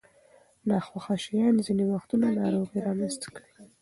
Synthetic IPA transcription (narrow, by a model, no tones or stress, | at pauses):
nɑxwaxaʃijɑnzinewaxt̪unanɑɾoɣiɾɑmast̪ḁki